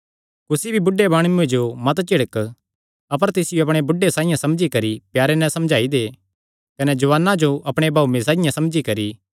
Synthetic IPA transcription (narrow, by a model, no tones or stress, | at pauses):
kʊsibʱibʊɖːebaːɽ̃uued͡ʒomɐt̪t͡ʃɪɽək | ɐp̬əɾt̪ɪsɪjoɐp̬ɽ̃ebʊɖesãːɪ̃jãsɐmd͡ʒikɐɾipjaːɾenɛ̃sɐ̃md͡ʒaːid̪eː | kɐnɛd͡ʒɐʋaːnãd͡ʒoʔɐpɽ̃ebʱaːumẽsãːɪjãsɐmd͡ʒikɐɾi